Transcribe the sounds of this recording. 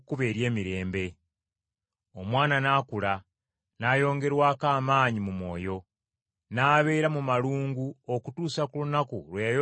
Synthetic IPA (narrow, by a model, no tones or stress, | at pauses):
kuβe̞ːɾje̞ːmiɾe̞ːmbe̞ | o̞mwaːnanaːkula | najo̞ːŋɡe̞ɾwaːkaːmaːɲimumwo̞̰ːjo̞ | naːβe̞ːɾamumaluːŋɡuokutuːsakulunakṵɾwejajo